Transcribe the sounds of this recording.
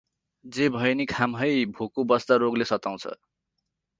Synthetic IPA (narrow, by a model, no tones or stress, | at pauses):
d͡zebʱʌjnikʰamɦʌjbʱokubʌst̪aɾoɡlesʌt̪aw̃t͡sʰʌ̰